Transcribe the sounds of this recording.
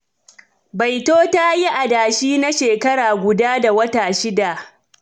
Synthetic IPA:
ba˨jtoː˦ta˦ji˦ʔa˨daː˨ʃiː˦na˦ʃeː˨kɐ˦ɽaː˨ɡʷʊ˨daː˦da˨wɐ˦taː˨ʃɪ˦da˨ʔ

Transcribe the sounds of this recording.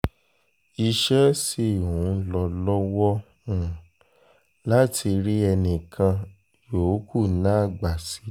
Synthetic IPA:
i˧ʃɛ˦si˦˨wũ˨˦lɔ˧lɔ˦wɔ˦ | ũ˦˨ | la˦tʰi˧ɾi˦ɛ˧nĩ˨kʰã˧ | joː˨˦ku˦˨nã˦˨ɡ͡ba˨si˨˦

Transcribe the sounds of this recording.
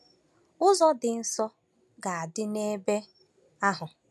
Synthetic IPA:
ʊ˦zɔ˦dɪ˨n̩˦sɔ˦ | ɡa˨a˨dɪ˦ne˦be˦ | a˦ɦʊ˨

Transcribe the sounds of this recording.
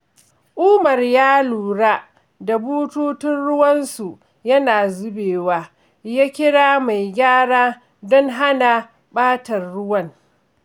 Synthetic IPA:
ʔuː˦mɐ˨rjaː˦luː˨ɽa˦ | da˨buː˦tuː˦tɪ˦nɽʊ˦wɐ˦nsu˨ | jɐ˦naː˨zʊ˦beː˨waː˦ | jaː˦kʲɪ˦ɽaː˦ma˨jɡʲaː˦ɽaː˦ | dɔ˦ŋɦa˦na˨ | ɓaː˦tɐ˨rːʊ˦wɐ˦ŋ

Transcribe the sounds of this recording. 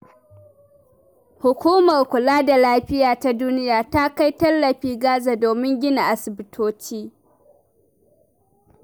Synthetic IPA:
hʊ˨kʷuː˦mɐ˨rkʷʊ˨laː˦da˨laː˦ɸɪ˦jaː˨ta˦duː˦nɪ˦jaː˨ta˦ka˦jtɐ˦lːɐ˨ɸiː˦ɡaː˦zaː˨doː˨mɪ˦ŋɡʲɪ˦na˨ʔa˨sɪ˨bɪ˨tʰoː˦t͡ʃiː˦

